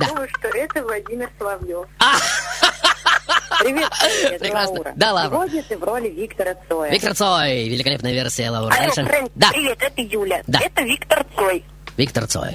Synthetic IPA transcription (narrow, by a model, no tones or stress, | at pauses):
d̪amʊjʊʂt̪oʔɛt̪əvlˠɐdʲimʲɪrslˠɐvjofa | pɾʲɪvepɾʲɪɾasd̪alˠavɾodʲɪt̪ɨvrolʲɪvʲikt̪əɾət̪sojvʲik̚t̪ərt̪sojvʲɪlʲɪkɐlʲepnəjəvʲersʲɪjəlˠɐuɾʂɛnd̪apɾʲɪvʲet̪ɛt̪əjulʲəd̪aɛt̪əvʲikt̪ərt̪soj | vʲikt̪ərt̪so̰j